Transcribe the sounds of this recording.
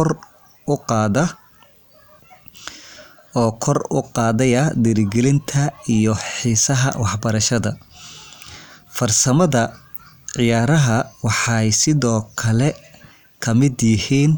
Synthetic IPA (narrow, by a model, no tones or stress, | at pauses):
r | ʊqɑːðɐ | ɔːkʰɔrʊ̰qɑːðɐjɐd̪ɛɾɪɡɛlɪnt̪ʰɐijɔħiːsɐɦɐ̰wɑħbɐɾɐʃɐðɐ | fɐrsɐmɐðɐ | ʕɪjaːɾɐɦɐwɑħɑjsɪðɔːkʰɐlɛ | kʰɐmɪd̪jɪhiːn